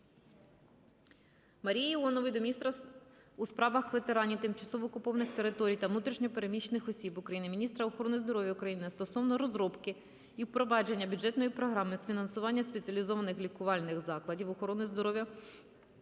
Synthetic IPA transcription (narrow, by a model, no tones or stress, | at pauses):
mɐɾʲijɐilˠɔnɔʋɪjd̪ɔmʲist̪ɾɐ | uspɾɑʋɐxʋe̞t̪eɾɑnʲit̪ɪmt͡ʃɐsɔʋɔːkʊpɔʋɐnɪxt̪e̞ɾɪt̪ɔɾʲijt̪ɐʋnut̪ɾʲiʃnʲɔpeɾemʲit͡ʃenɪxɔsʲibʊkɾɐjinɪmʲinʲist̪ɾɐɔxɔɾɔnʊjzd̪ɔɾɔʋʲjɐukɾɐjinɪst̪ɔsɔʋnɔɾɔzɾɔpkɪ | ipɾɔʋɑd͡ʒe̞nʲːɐbʲud͡ʒɛt̪nɔjipɾɔɦɾɑmɪsfʲinɐnsʊʋɑnʲːɐspet͡sʲiɐlʲizɔʋɐnɪxlʲikʊʋɑlʲnɪxzɑklˠɐdʲiwɔxɔɾɔnɪzd̪ɔɾɔʋʲjɐ